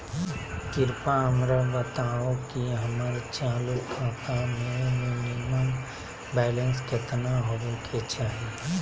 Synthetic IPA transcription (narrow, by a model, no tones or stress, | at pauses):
kɪɾpaɦəmɾabət̪aːokiɦəmaɾt͡ʃaːluakamẽmɪnɪməm | bɛːlə̃nskət̪naɦoʋekʰet͡ʃaːɦi